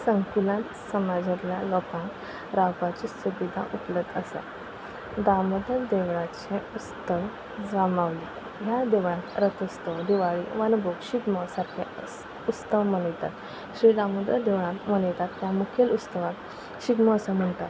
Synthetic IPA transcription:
səŋkulãt̪səmad͡ʑətljalɔkã | ɾapat͡ɕisubid̪ʱa̰ʔupləd̪əsa̰ | d̪aməd̪əd̪eʋɭãt͡ɕẽust̪əʋ | d͡zamaʋli | ɦjad̪eʋɭãt̪ɾət̪ʰəst̪əʋd̪iʋaɭḭʋənbokɕiɡ̪məsaɾkʰe | ut͡st̪əʋməɳəjt̪a̰t̪ | ɕɾiɽamud̪əd̪eʋɭãt̪məɳjt̪at̪ːjamukʰelust̪əʋak̪ | ɕiɡ̪məːsam̤əɳt̪at̪

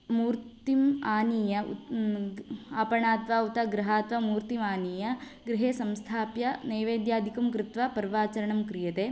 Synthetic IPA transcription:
muːɾtt̪imaːniːjɐ̰ | ɐpɐɳaːt̪ʋaːut̪ɐɡɾɐɦaːt̪ʋɐmuːɾt̪imaːniːjɐ | ɡɾɪɦeːsɐmst̪ʰaːpjɐnɐjʋeːd̪jaːd̪ʱikɐmkɾɪt̪ʋɐpɐɾʋaːt͡ʃɐɾɐɳɐmkɾijɐt̪eː

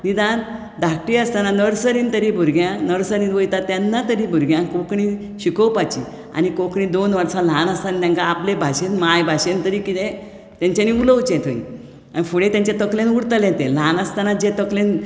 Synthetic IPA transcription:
nid̪an | d̪ʱak̚ʈiəst̪ananəɾsəɾint̪əɾiːbʱuɾɡjãnəɽsəɾiːnʋəjt̪at̪janːat̪əɾiːbʱuɾɡjãkokɳi | ɕikəwpat͡ɕi | a̰nikokɳiːd̪onʋəɾsãlanəst̪ant̪ãŋkaːplebʱaɕenmajbʱaɕent̪əɾiːkit̪ẽ | t̪jãɲt͡ɕaniːuləwt͡ɕẽt̪ʰoḭ̃ | anifuɽẽt̪jãɲt͡ɕet̪əklẽnuɽt̪əlẽt̪ẽlanəst̪anad͡ʑet̪əklen

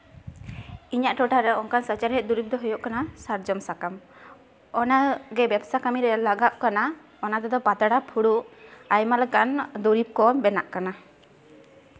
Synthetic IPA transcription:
iɲaʔʈɔʈaɾɛɔŋkansat͡ʃaɾɦɛt̪̚ˀd̪uɾib̚d̪ɔɦujɔʔkanasaɾd͡ʒɔmsakam | ɔnaɡɛbɛbsakamiɾɛlaɡap̚kana | ɔnat̪ɛd̪ɔpat̪aɽapʰuɽuʔajmalɛkand̪uɾip̚kɔnbɛnaʔkana

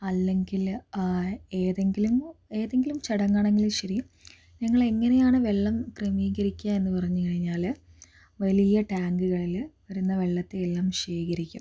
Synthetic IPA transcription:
ɐlːe̞ŋɡil | eːðe̞ŋɡilume̞ːðe̞ŋɡilumt͡ɕɐɽɐŋːaːɳe̞ŋɡiluɕɐɾi | ɲɐŋːɐɭeŋːɐnejaːɳɨʋe̞ɭːɐmkremiːɣɐɾikʲːame̞nːɨpɐrɐɲːukɐɻiɲːaːl | ʋɐlijɐʈaːŋɡɨɣɐɭilʋɐɾunːɐʋe̞ɭːɐt̪ːeelːaːmɕeːɣɐɾikʲːum

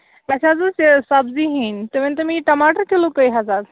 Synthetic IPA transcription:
masad͡zəsesabziɦint̪eʋẽnt̪əmiːʈɐmaʈəɾkelokəjɦazad̪

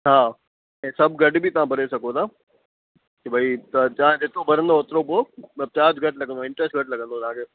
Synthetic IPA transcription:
ɦaː | ɛ̃ːsɐbɡɐɖbʱit̪ɐʋ̤ãbʱɐɾesɐkot̪ʰaː | kebʱaːit̪ɐt͡ɕɐãd̪et̪ʰobʱɐɾə̃nd̪oːt̪ɾoboːt͡ɕaːd͡ʑɡɐʈlɐɡə̃nd̪oɪ̃ɳʈɾəsʈɡʱɐʈlɐɡə̃nd̪ot̪ãːkʰe

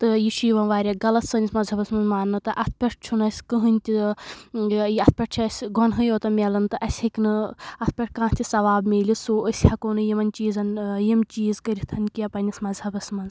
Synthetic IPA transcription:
t̪ɨjiʃijʋɐnʋaːɾʲaɡɐlɐt̪sɨnʲismɐzɐbɐsmɐnzmaːnːɨt̪ɨʔɐt̪ʰpʲɐʈ̚ʰt͡ʃʰunɐsʲkɨɦɨnʲt̪ʲi | jiɐt̪̚ʰpʲɐʈ̚t͡ʃʰiɐsʲɡʱɔnɦɨjoːt̪ɐmʲelɐnt̪ɨʔɐsʲhɐkʲnɨɐt̪̚ʰpʲɐʈ̚ʰkãːt̪ʰʲisɐʋaːbmʲeːlʲisoːəsʲhɐkoːnɨjimɐnʲt͡ʃiːzɐnjimt͡ʃiːzkɐɾʲit̪ʰɐnkʲiɐpɐnʲismɐnzhɐbɐsmɐnz

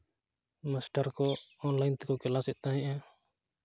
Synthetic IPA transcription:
masʈəɾkɔɔnlajnt̪ɛkɔkɛlasɛʔ̪̚ˀt̪aɦɛ̃ʔa

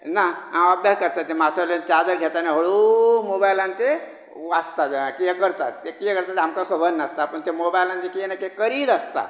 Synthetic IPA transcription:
naãəbjaskəɾt̪at̪ːemat̪ʰəlent͡ʃad̪əɾɡʱet̪aneɦoɽumobajlãnt̪e | ʋast̪aeakiekəɾt̪a̰t̪ːekiekəɾt̪at̪ɦamkasobənːast̪aːpəɳt̪emobajlãnt̪ekijenakekəɾiːd̪əst̪a̰

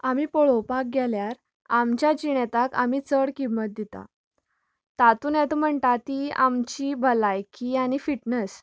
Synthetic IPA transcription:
amiːpoɭopak̚ɡʱɛljaɾ | amt͡ɕjad͡ʑiɳɛt̪aka̰miːt͡səɽkimːət̪̚d̪it̪a̰ | t̪at̪uːnjɛt̪om̤əɳʈ̪at̪iamt͡ɕibʱəlajkiaɽ̃ifiʈnəs

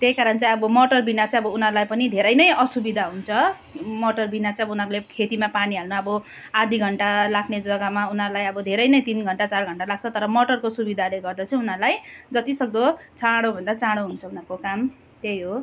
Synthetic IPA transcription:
t̪jejkaɾʌnt͡sʌj̃ʌbʌmʌʈʌrbinat͡sʰʌ̃ʌbʌunʌrlajpʌnid̪ʱeɾʌjnʌjʌsubid̪ʱaɦunt͡sʰʌ | moʈʌrbinat͡sãʌbʌunʌɾulekʰet̪imapaniɦalnʌʌbʌ | ad̪ʱiɡʱʌɳʈalakʰned͡zʌɡamaunʌrlajʌbʌd̪ʱeɾʌjnʌjt̪inɡʱʌɳʈat͡sarɡʱʌɳʈalaɡ̚t͡sʰʌt̪ʌɾʌmʌʈʌrkosubid̪ʱaleɡʌrd̪ʌt͡sʰʌ̃unʌrlajd͡zʌt̪isʌɡ̚d̪ot͡saɽ̃obʱʌnd̪at͡saɽoɦunt͡sʰʌunʌrkokam | t̪jejɦo

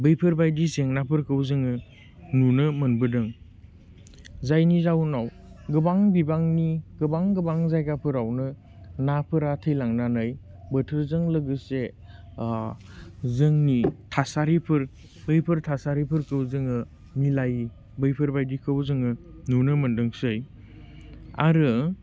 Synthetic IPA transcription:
bɯjpʰɯɾbajdiseŋnapʰɯɾkɯwzɯŋɯ | nunɯmɐnbɯdɯŋ | zajnizawnaw | ɡɯbaŋbibaŋniɡɯbaŋɡɯbaŋzajɡapʰɯɾawnɯ | napʰɯɾatʰɯjlaŋnanaj | bətʰɯɾzɯŋlɯɡɯse | zɯŋnitʰasaɾipʰɯɾ | bɯjpʰɯɾtʰasaɾipʰɯɾkɯwzɯŋɯ | milaj | bɯjpʰɯɾbajdikʰɯwzɯŋɯ | nunɯmɐndɯŋsɯj | a̰ɾɯ

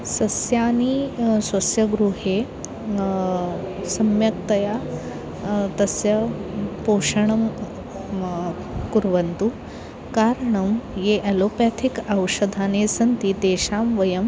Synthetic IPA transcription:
sɐsjaːnisʋɐsjɐɡɾuɦe | sɐmjɐkt̪ɐja | t̪ɐsjɐpoːʂɐɳɐm | kuɾʋɐnt̪u | kaːɾɳɐmjeʔɐlopat̪ʰikɐwʂɐd̪ʱaːneːsɐnt̪it̪eːʃaːmʋɐjɐm

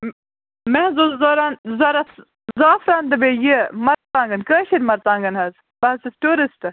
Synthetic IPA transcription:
mɛ̃ːzozoːɾaːnzɐɾɐt̪ | zaːfɾaːnd̪ɐbeːjimɐɾt̪ãːŋɡɐnkəːʃiɾmɐɾt̪ãːŋɡɐnɦɐz | bɐɐsɨsʈuːɾisʈ

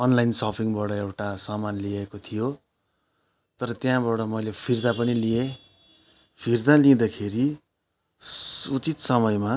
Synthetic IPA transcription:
ʌnlajnsʌpʰiŋbʌɽʌewʈasʌmanliekot̪ʰijo | t̪ʌɾʌt̪jãbʌɽʌmʌjlepʰird̪apʌnilie | pʰird̪alĩd̪akʰeɾi | ut͡sit̪sʌmʌjma

